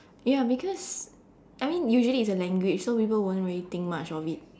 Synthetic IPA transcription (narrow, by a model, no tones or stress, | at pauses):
jabikʰɔs | ʔajmĩnjuʒəliːtsəlɛ̃ŋɡwɪt͡ʃsopipəlwõntɹiəlit̪ɪ̃ŋk̚mat͡ʃɔvit̚